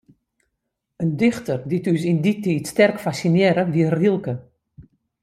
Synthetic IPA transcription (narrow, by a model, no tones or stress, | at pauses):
əndɪxtərditys̬inditiːtstɛrkfasinɛːɾəʋiərilˠkə